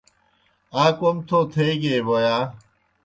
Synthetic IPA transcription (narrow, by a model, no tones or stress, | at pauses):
aːkomt̪ʰoːt̪ʰeːɡeːbojaː